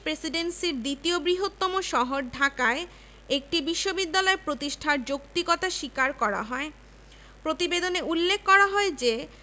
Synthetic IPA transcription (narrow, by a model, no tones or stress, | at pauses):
pɾesiɖensiɾd̪it̪iobɾiɦot̪ːɔmoʃɔɦoɾɖʱakae | ek̚ʈibiʃːobid̪ːalɔeɾpɾot̪iʃʈʰaɾd͡ʑokt̪ikɔt̪aʃikaɾkɔɾa̰ɦɔe | pɾot̪ibed̪oneulːekʰːɔɾaɦɔed͡ʑe